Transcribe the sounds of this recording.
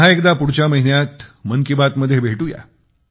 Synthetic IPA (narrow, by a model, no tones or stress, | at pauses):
ɦaekd̪apuɽt͡ɕaməɦinjat̪məŋkibat̪məd̪ʱːjebʱeʈuja̰